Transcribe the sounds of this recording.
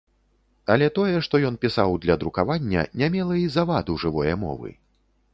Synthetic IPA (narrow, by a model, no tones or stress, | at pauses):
ɐlʲɛt̪ɔjɛʂt̪ɔjɔnpʲisawd̪lʲɐd̪ɾukavanʲːɐ̰nʲamʲɛlˠɐizavad̪uʐɨvɔjɐmɔ̰vɨ̰